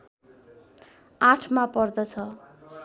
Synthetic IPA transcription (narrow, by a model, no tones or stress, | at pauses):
ãʈʰmapʌrd̪ʌt͡sʰʌ